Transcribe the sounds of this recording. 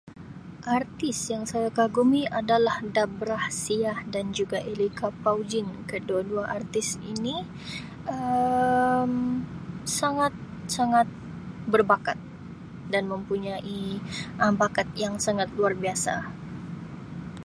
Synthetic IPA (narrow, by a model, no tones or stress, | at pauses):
ʔart̪ɪsjaŋsajakaɡumiʔadalahdabɾahsiahdand͡ʒuɡaʔelikapawd͡ʒɪnkəduaduaʔart̪ɪsḭni | ə | m | saŋat̪̚ | saŋat̪̚ | bərbakat̪̚ | danməmpuɲaʔiʔəbakat̪̚jaŋsaŋat̪̚luarbiasa̰